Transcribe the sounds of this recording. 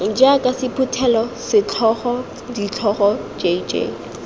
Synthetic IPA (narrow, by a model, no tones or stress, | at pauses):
ŋ̩d͡ʒakʼasɪpʰutʰɛlɔsɪt͡ɬʰɔχɔ | dit͡ɬʰɔχɔd͡ʒed͡ʒḛ